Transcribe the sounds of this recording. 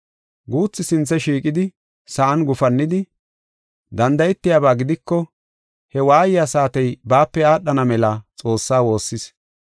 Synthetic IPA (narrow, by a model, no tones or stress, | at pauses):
ɡuːt͡sːɪsɪnt͡sːɛʃiːkʼɪd̪ɪ | sɐʔɐnɡʊfɐnːɪd̪ɪ | d̪ɐnd̪ɐjɛt̪ːɪjaːbaːɡɪd̪ɪkːɔ | hɛwaːjɪjasaːt̪ɛjbaːpːɛaːɗːɐnɐmɛlɐt͡sʼo̞ːsːaːwo̞ːsːɪs